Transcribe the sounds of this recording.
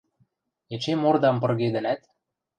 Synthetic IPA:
et͡ɕemord̪ɑmpɤ̆rɣed̪ɘ̆næt̪̚

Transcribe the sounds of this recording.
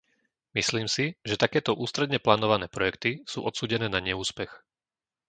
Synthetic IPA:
misliːmsiʒɛt̪akɛːt̪ɔʔuːst̪ɾɛd̪ɲɛplaːnɔʋanɛːpɾɔjɛkt̪isṵːʔɔt̪suːɟɛnɛːnaɲɛuːspɛx

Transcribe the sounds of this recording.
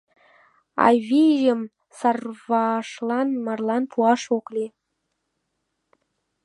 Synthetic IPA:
ɑ̰vʲiʒəm | sɑrvɑʃlˠɑnmɑrlˠɑnpʰuɑʃoklʲe

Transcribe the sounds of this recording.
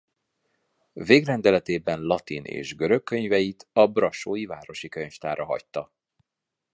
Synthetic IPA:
veːɡrɛnd̪ɛlɛt̪eːbɛnlɒt̪inʔḛːʒɡøɾø̞kkːø̞ɲvɛjit̪ɒbrɒʃoːjivaːɾo̞ʃikøɲft̪aːɾɒɦɒ̰ct̪ːɒ

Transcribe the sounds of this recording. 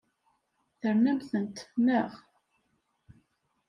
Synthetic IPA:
θəɾnæmθənt̪ːə̥fnəʁ

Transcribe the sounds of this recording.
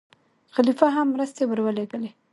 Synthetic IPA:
xalifaɦamːɾəst̪ewəɾwəleɡəle

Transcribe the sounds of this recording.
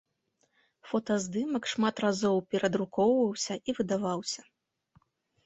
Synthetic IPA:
fɔt̪ɐzd̪ɨmɐkʂmat̪razɔwpʲɛɾɐd̪ɾukɔwvɐwsʲɐʔivɨd̪avawsʲɐ

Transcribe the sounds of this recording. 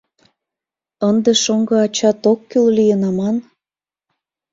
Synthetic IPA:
ənd̪eʃoŋɡɤ̆ɑt͡ɕɑt̪okːyllijənɑmɑn

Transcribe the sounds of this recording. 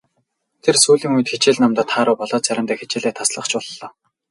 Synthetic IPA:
t̪ʰersuːɮiːŋujt̪xet͡ɕeːɮnamt̪ɔːt̪ʰχaːɾʊːpɔɮɔːt͡sæɾʲɪ̆mt̪ʰæːxet͡ɕɪːɮeːt̪ʰasɮə̆χt͡ɕpɔɮːɔː

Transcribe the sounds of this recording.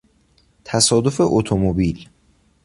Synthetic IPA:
t̪ʰæsɒːd̪o̞fe̞ʔot̪ʰomobiːl

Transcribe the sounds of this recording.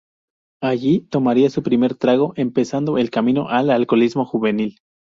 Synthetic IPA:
aʝit̪o̞maɾiasupɾime̞ɾt̪ɾaɣo̞ʔe̞mpe̞sand̪o̞e̞lkamĩno̞̰ʔalalko̞lizmo̞xuβe̞nil

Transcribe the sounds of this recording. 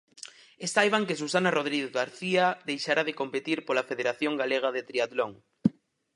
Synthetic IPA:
est̪ajβaŋkes̬usanaroð̞ɾiɣeɣaɾθiaðejʃaɾaðekompet̪iɾpolafeðeɾaθjoŋɡaleɣ̞aðet̪ɾiat̪loŋ

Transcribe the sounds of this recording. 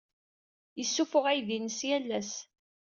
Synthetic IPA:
jəsːufʊʁæjðinəsjælːæs

